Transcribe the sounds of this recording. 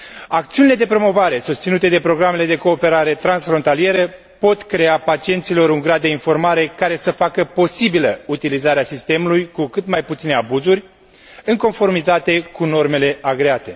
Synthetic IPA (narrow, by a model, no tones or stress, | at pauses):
ak̚t̪siuniled̪epɾo̞mo̞vaɾe̞sust̪sinut̪e̞d̪e̞pɾo̞ɡɾame̞le̞d̪e̞ko̞ːpe̞ɾaɾe̞t̪ɾansfɾo̞nt̪alije̞ɾə | po̞t̪kɾe̞apat͡ʃie̞nt̪silo̞ɾuŋɡɾad̪̚ːeinfo̞rmaɾe̞kaɾe̞səfakəpo̞sibiləut̪ilizaɾeasist̪e̞mulujkukɨt̪majput̪sine̞abuzurʲ | ɨŋko̞nfo̞rmit̪at̪e̞kuno̞rme̞le̞aɡɾe̞at̪e̞